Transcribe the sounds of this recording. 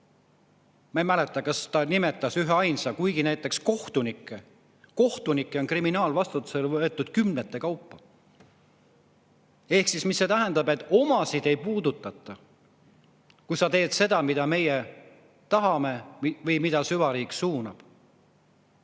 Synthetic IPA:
mɑejmæle̞t̪ːˑɑkɑst̪ɑnime̞t̪ːˑɑsyɦeɑjnsɑkujɡinæjt̪ːˑe̞ksko̞ht̪unikːˑe | ko̞ht̪unikˑːeo̞nkriminɑːlvɑst̪ut̪ːˑuse̞lvɤet̪ːˑud̪̥kymnet̪ːˑe̞kɑwpːɑ | e̞hksismisːe̞ːt̪æɦænd̪̥ɑbe̞t̪ːˑo̞mɑsid̪̥e̞jpuːd̪̥ut̪ːˑɑt̪ːˑɑ | kujsɑt̪e̞ːd̪̥se̞d̪̥ɑmid̪̥ɑme̞je | t̪ɑɦɑme̞vɤjmid̪̥ɑsyvɑɾiːksuːnɑb̥

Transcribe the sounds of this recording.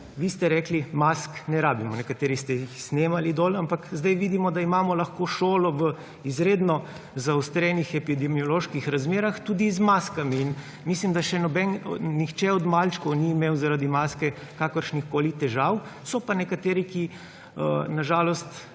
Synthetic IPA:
ʋist̪ɛɾɛːklimasknɛɾaːbimɔnɛkat̪eːɾist̪ɛjixsneːmalid̪oːlampakzd̪ajʋiːd̪imɔd̪aimaːmɔlaxkoʃoːlɔʋə | izɾeːd̪nɔ | zawst̪ɾɛnixɛpid̪ɛmiɔloʃkixɾazmeːɾaxt̪uːd̪izmaskamiːn | mislimd̪aʃɛnɔbɛnnixt͡ʃɛɔd̪malt͡ʃkɔwniːmewzaɾad̪imaːskɛ | kaːkəɾʃnixkoːlit̪ɛʒawsɔpanɛkat̪eːɾiki | ənaʒaːlɔst̪

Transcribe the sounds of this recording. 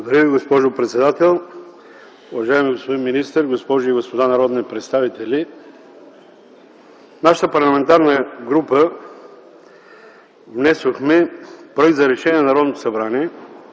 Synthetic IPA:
oɡod̪ɐɾʲjəviɡospɔʒopɾɛt̪sɛd̪at̪ɛlˠ | uvɐʒaɛmiɡospod̪inminist̪əɾɡospɔʒʊiɡospod̪anɐɾɔd̪nipɾɛt̪st̪avit̪ɛlʲi | naʃə̥t̪əpɐɾlˠɐmɛnt̪aɾnəɡɾupə | vnɛsoxmɛpɾoɛk̚t̪zɐɾɛʃɛnʲiɛnnɐɾɔd̪not̪osɐbɾaniɛ

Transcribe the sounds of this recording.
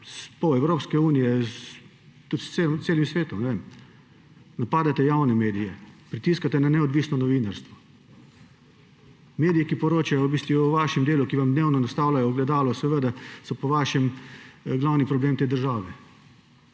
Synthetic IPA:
spɔɛwɾoːpskɛuːnijɛ | t̪ut̪st̪semseːlimsʋeːt̪ɔmnɛʋem | napaːd̪at̪ɛjawnɛmeːd̪ijɛpɾit̪iːskat̪ɛnanɛɔd̪ʋiːsnɔnɔʋiːnaɾst̪ʋɔ | meːd̪ijɛkipɔɾoːt͡ʃajɔwbiːst̪ʋuɔʋaːʃɛmd̪eːlukiʋamd̪neːwnɔnast̪aːwlajɔɡlɛd̪aːlɔsɛʋəd̪asɔpɔʋaːʃɛmɡlaːwnipɾɔbleːmt̪eːd̪əɾʒaːʋɛ

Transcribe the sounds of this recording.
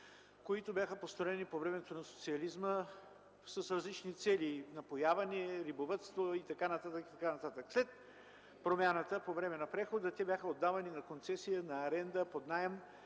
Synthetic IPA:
koit̪ʊbʲjaxəpost̪ɾoɛnipovɾɛmɛt̪onɐso̥t̪siɐlizmə | səsɾɐzlit͡ʃnit̪sɛlinɐpojavɐnɛɛɾibovət̪st̪voit̪ɐkanɐt̪at̪əkit̪ɐkanɐt̪at̪əkslɛt̪̚ | pɾomʲanət̪əpovɾɛmɛnɐpɾɛxod̪ət̪ɛbjaxəod̪ːavɐninɐkont̪sɛsijənɐːɾɛnd̪əpod̪najəm

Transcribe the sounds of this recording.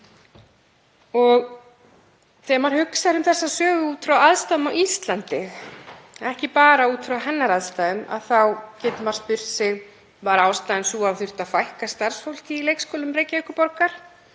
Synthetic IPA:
ɔɣ | θɛmaɾ̥hʏksaɾʏmθɛsːasœːɣʏuːt̪fɾawaðst̪aðʏmawʔist̪lant̪ɪ | ɛhcɪpaːɾauːt̪fɾawɦɛnːaɾaðst̪aːðʏma̰ðθawcɪt̪maɾ̥spʏr̥t̪sɪɣ | vaɾaːwst̪ajðɪnsuːavθʏr̥t̪afajhkast̪aɾ̥sfowl̥cɪilejkskoːlʏmɾeːjcaʏkʏpɔɾkaɾ̥

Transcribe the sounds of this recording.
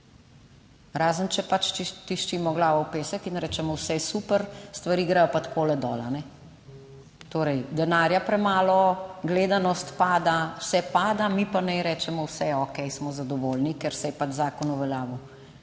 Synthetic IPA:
ɾaːzənt͡ʃɛpat͡ʃt̪iʃt͡ʃimɔɡlaːʋɔwpeːsəkinɾɛːt͡ʃɛmɔwsɛsupəɾst̪ʋaɾiːɡɾɛjɔpat̪kʰoːlɛd̪ɔːlanɛ | t̪oːɾɛjd̪ɛnaɾjapɾɛmaːlɔɡleːd̪anɔst̪paːd̪awsɛpaːd̪amipanɛjɾɛːt͡ʃɛmɔwsɛɔkɛjsmɔzad̪ɔʋolnikɛɾsɛjɛpat͡ʃzaːkɔnuʋɛljaːʋu

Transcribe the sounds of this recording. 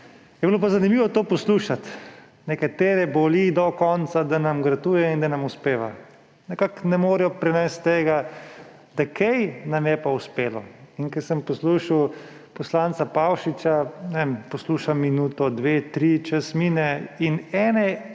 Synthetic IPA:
jɛbilopazanimiːʋɔt̪oːpɔsluːʃat̪ | nɛkat̪eːɾɛbolid̪ɔkɔnt̪sad̪anamɡɾɐt̪uːjɛind̪anɐmuspeːʋa̰ | nɛkaknɛmoːɾɛjɔpɾɛnɛst̪ːeːɡa | d̪akʰɛjnamjɛpauspeːlɔ̰inkɛsəmpɔsluːʃiw | pɔslansapawʃit͡ʃanɛempɔsluːʃamːinuːt̪ɔd̪ʋeːt̪ɾit͡ʃəsmiːnɛinɛːnɛ

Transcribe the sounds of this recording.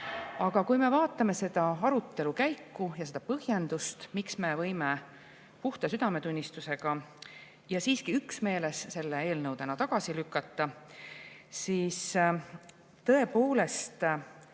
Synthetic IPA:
ɑɡ̥ɑkujme̞vɑːt̪ːˑɑme̞se̞d̪̥ɑɑɾut̪ːe̞lukæjkːujɑse̞d̪̥ɑpɤhje̞nd̪̥ust̪miksme̞vɤ̞jme | puht̪ɑsyd̪̥ɑme̞t̪unʲːist̪use̞ɡ̥ɑ | jɑsiːskiyksme̞ːle̞sse̞lːee̞ːlnɤwd̪̥e̞nɑt̪ɑɡ̥ɑsilykːˑɑt̪ːˑɑ | siːs | t̪ːɤ̞epoːle̞st̪

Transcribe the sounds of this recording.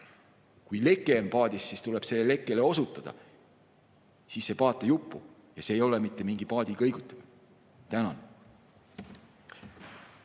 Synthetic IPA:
kujle̞kːˑe̞onpɑːd̪̥ʲisːist̪ule̞b̥se̞lːele̞kːˑe̞leo̞sut̪ːˑɑd̪̥ɑ̰ | sisːe̞pɑːt̪ːˑejupˑːu | jɑse̞ːjo̞lemit̪ːe̞miŋɡ̥ipɑːd̪̥ʲikɤ̞jɡ̥ut̪ːˑɑ̥m̥ | t̪ænɑ̰n

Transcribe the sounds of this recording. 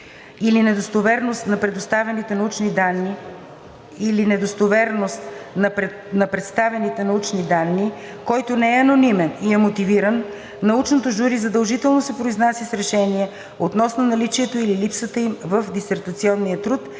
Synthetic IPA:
ilinɛd̪ost̪ovɛɾnost̪nɐpɾɛd̪ost̪avɛnit̪ɛnɐut͡ʃnid̪anːi | ilinɛd̪ost̪ovɛɾnost̪n | nɐpɾɛt̪st̪avɛnit̪ɛnɐut͡ʃnid̪anːi | kɔjt̪onɛɛɐnonimɛniɛmot̪iviɾənː | ɐut͡ʃnot̪oʒuɾizɐd̪əlˠʒit̪ɛlˠnosɛpɾoiznasisɾɛʃɛniɛ | ot̪nɔsnonɐlit͡ʃiɛt̪oililipsət̪əimvəfd̪isɛɾt̪ɐt̪siɔnːijət̪ɾut̪

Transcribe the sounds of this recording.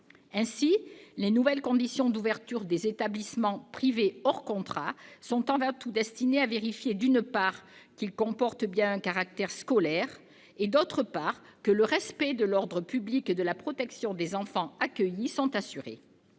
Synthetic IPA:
ɛ̃silenuvɛlkɔ̃d̪isjɔ̃d̪uvɛʁt̪yʁd̪ezet̪ablismɑ̃pχiveɔʁkɔ̃t̪χasɔ̃t̪ɑ̃vɛ̃t̪ud̪ɛst̪ineaveʁifjed̪ynpaʁkilkɔ̃pɔʁt̪bjɛ̃ɛ̃kaʁak̚t̪ɛʁskɔlɛʁ | ed̪ot̪χəpaʁkələʁɛspɛd̪əlɔʁd̪ʁəpybliked̪əlapχɔt̪ɛksjɔ̃d̪ezɑ̃fɑ̃akəjisɔ̃t̪asyʁḛ

